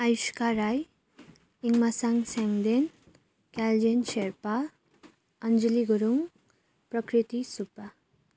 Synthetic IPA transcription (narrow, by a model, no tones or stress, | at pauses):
ajskaɾaj | iŋmasaŋsɛŋd̪en | kald͡ʒensʰeɾpa | ʌnd͡ʒiliɡuɾuŋ | pɾʌkɾit̪isupa